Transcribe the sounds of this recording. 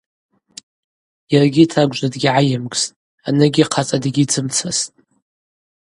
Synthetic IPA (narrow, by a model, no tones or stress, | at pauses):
jarɡʲitʰaɡʷʒʷadɡʲiʕajɪmɡʼstʼ | anɨɡʲiqʰat͡sʼadɡʲit͡sʰɨmt͡sʰastʼ